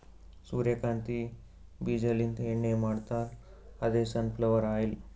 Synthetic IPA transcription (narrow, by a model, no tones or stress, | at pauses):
suɾjekant̪i | bid͡ʑəlint̪eɳːemaɽt̪al | ad̪esənpləʋəɾajl